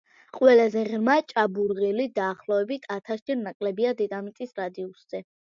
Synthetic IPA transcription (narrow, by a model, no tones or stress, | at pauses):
qʼwɛlazɛʁɾmat͡ʃʼabuɾʁilid̪aːχlˠɔɛbit̪ʰat̪ʰasd͡ʒɛnnakʼlɛbiad̪ɛnamit̪sʼisɾad̪iusz̥ɛ